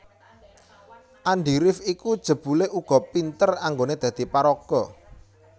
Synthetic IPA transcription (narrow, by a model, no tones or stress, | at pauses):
ʔaɳɖiɾɪfikud̥ʒ̥ə̤b̥ṳleʔuɡ̥ɔ̤pint̪əraŋɡoned̪̥ä̤d̪̥i̤paɾɔɡ̥ɔ